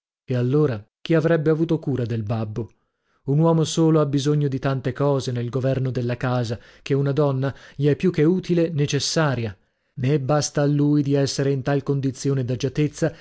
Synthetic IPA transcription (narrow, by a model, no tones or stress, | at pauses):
ealːoːɾa | k̟iavɾɛbːeavuːt̪okuːɾad̪elbabːo | unwɔːmosoːloabːizoɲːod̪it̪ant̪ekɔːzenelɡovɛrnod̪elːakaːza | k̟eunad̪ɔnːaʎiɛpːjukːeuːt̪ilenet͡ʃesːaːɾja | nebːast̪aːlːuːjd̪iɛsːeɾeint̪alkond̪it̪sjoːned̪ad͡ʒat̪et̪sːa